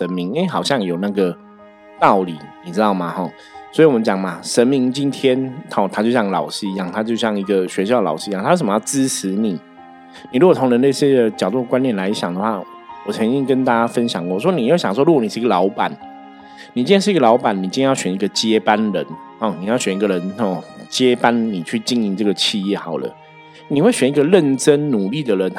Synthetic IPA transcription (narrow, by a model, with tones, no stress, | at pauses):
ʂə˧˦nmi˧˦ŋe˥ɪxɑ˨˩ʊɕjɑ˥˩ŋjo˨˩ʊna˥˩ɡə˩ | t̪ɑ˥˩ʊlḭ˨˩˦ni˨˩ʈ͡ʂɻ̩˥t̪ɑ˥˩ʊma˨˩xɔ˥˩ | swi˨wɔ˨mə˦nt͡ɕjɑ˨˩ŋma˦ʂə˧˦nmi˧˥ŋt͡ɕi˦nt̪ʰjɛ˥nhɔ˥˧t̪ʰa˥t͡ɕo˥˧ʊɕjɑ˥˧ŋlɑ˨˩ʊʂ̩˥i˧˦jɑ˥˩ŋt̪ʰa˥t͡ɕjo˥˧ʊɕjɑ˥˩ŋi˧˥ɡə˨ɕɥɛ˧˥ɕ̬jɑ˥˩lɑ˨˩ʊʂ̩˥˧˥ŋt̪ʰa˥o˥ʂə˨˩m˦jɑ˥˩ʊt͡sɹ̩˥t͡s̩ʰ˧˥ni˨˩˦ | ni˨˩ɻu˥ɡɔ˨˩o˧˥ŋɻə˧˦nə˥˧ɕjɛ˥d̪ə˨t͡ɕjɑ˨˩t̪u˥˩ə˩kwa˥njɛ˥˩˨nla˧˥ɪɕjɑ˨˩ŋd̪ə˩xwa˥˩ | wɔ˨˩t͡sʰɤ˧˦ŋt͡ɕi˦˥ŋkə˦˥nt̪a˥˩t͡ɕja˦˥fə˦nɕjɑ̰˨˩ŋkwɔ˥˨ʂwɔ˥ni˨˥jɕjɑ˨ŋʂwɔ˥˧ɻu˧˥ɡwɔ˧˥ni˨˩ʂ̩˥˩˧ɡə˨lɑ˨˧˥ʊpa̰˨˩˦n | ni˨˩t͡ɕi˥njɛ˥ʂ̩˥˩˧ɡə˧lɑ˧˥ʊpa˨˩ni˨˩t͡ɕi˥˩˧ɛ˥jɕɥɛ˨˩ni˧˥ɡə˨t͡ɕjɛ˦pa˦nɻə̰˧˦nhɔ˨˩ni˨˩jʊɕɥɛ˨˩ni˧˥ɡə˨ɻə˧˦nhɔ˥˩t͡ɕjɛ˦pa˦˥nni˨˩t͡ɕʰy˥˩t͡ɕi˥˧˦ni˧˥˩ʈ͡ʂɤ˥˩ɡə˩t͡ɕʰi˥˧jɛ˥˩xɑ˨˩ʊd̪ə̰˦ | ni˨˩we˥˩ɪɕɥɛ˨˩ni˧˥ɡə˧ɻə˥˩nʈ͡ʂə˦˥nnu˨˩li˥˩d̪ə˩ɻə˨˦n